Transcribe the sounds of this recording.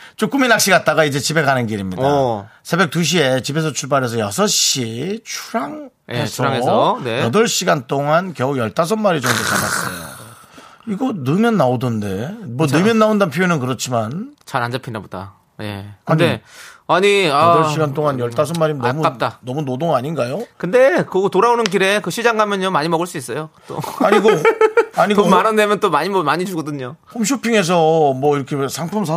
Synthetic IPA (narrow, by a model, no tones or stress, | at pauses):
t͡ɕ͈omk͈uminak̚ɕ͈iɡat̚t͈aɣaid͡ʑe̞t͡ɕibe̞kanɯnɡiɾimɲidasʰe̞be̞k̚t͈uɕ̬ʰie̞t͡ɕibe̞s̬ʰʌt͡ɕʰuɭbaɾɦe̞s̬ʰʌjʌsʰʌɕ͈it͡ɕʰuɾaŋ | e̞sʰʌaŋeʌnejʌdʌɭɕ͈iɡant͈oŋankjʌojʌɭt͈as̬ʰʌnmːaɾid͡ʑʌmdokada̰s͈ʌ̰jo̰ | iɡʌnɯmjʌnːaodɯnde̞mʌnɯmjʌnːaondapʰijonɯnkɯɾʌt͡ɕʰimant͡ɕaɾand͡ʑapʰinaboda̰ | je̞̰kɯde̞aɲiaʌɕʰiɡantʰoŋanjʌɭt͈as̬ʰʌnmːaɾimnʌmukap̚t͈anʌmunodoŋaɲinɡajokɯnde̞kɯtoɾaonɯnk̬iɾe̞kɯɕʰid͡ʑaŋɡamjʌnjomaɲimʌɡɯɭs͈uis͈ʌjot͈o̰aɲiɡoaɲiɡomanɯndemjʌnt͈omaɲimʌmaɲit͡ɕuɡʌdɯɲopʰomɕ̬ʰopʰiŋe̞s̬ʰʌmwʌiɾʌkʰesʰaŋpʰums̬ʰa